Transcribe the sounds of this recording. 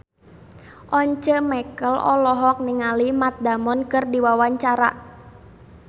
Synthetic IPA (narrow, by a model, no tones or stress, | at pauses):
ʔɔɲt͡ʃəmɛkəlɔ̰lɔɦɔk̚niŋalimat̪̚damɔnkɨrdiwawaɲt͡ʃaɾa̰